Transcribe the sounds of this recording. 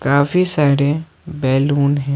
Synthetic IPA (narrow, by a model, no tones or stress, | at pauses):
kaːfisaːɪɾẽ | bɛːluːnɦɛ̃ː